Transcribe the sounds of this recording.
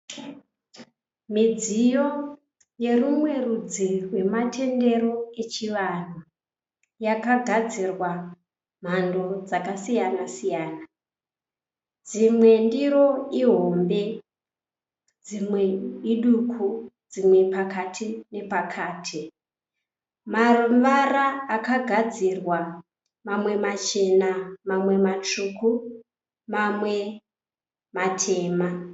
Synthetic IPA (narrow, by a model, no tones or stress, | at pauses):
mid͡zijo̞ | je̞rumwe̞rud͡zirwe̞matʰe̞nde̞ɾo̞e̞t͡ʃiʋan̤u | jakaɡʱad͡zirwa | m̤ando̞d͡zakasijanasijaːna | d͡zimwe̞ndiɾo̞iɦo̞mbe̞ | d͡zimweiɗukʰud͡zimwe̞pakatʰine̞pakʰaːtʰi | maruʋaraːkaɡʱad͡zirwa | mamwe̞mat͡ʃe̞namamwe̞mat͡ʃuku | mamwe̞ | matʰe̞ːma